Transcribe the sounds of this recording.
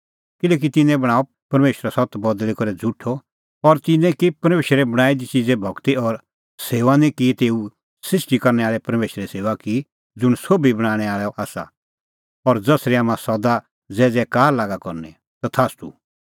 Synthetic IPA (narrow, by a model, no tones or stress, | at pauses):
kɪlɛːk̬it̪ɪnɛ̃bɐɽ̃aːo | pɐɾmeːʃɾasɔt̪bɔd̪likɔɾɛd͡zʱʊʈʰɔ | ɔɾt̪ɪnɛ̃kipɐɾmeːʃɾɛbɐɽ̃aːid̪it͡ʃid͡zɛbʱɔkt̪iɔɾ | seːʋanĩkit̪eːu | sɪʃʈikɐɾnɛaːɭɛpɐɾmeːʃɾɛseːʋaki | d͡zʊɽ̃soːbibɐɽ̃aːɽ̃ɛaːɭɛʔaːsa̰ | ɔɾd͡zɐsɾiaːmãsɔd̪a | d͡zɛːd͡zɛːkaːɾlaːɡakɔɾnɛ̰ | t̪ɔt̪ʰaːst̪ṵ